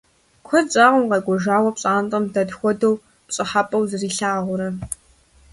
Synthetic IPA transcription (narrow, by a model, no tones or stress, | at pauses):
kʷʰɔt͡ʃʼaːʁʷʊmqɐjɡʷɔʒaːwɐpɕʼaːntʼɐmdɐdxʷɔdɐw | pɕʼɪħapʼɐwzɨriːɬaːʁʷʊɾɐ